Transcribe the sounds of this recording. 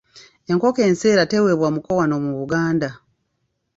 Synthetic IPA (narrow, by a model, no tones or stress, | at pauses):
e̞ŋko̞ke̞ːnse̞ːɾate̞we̞βwamuko̞wano̞muβuɡaːnda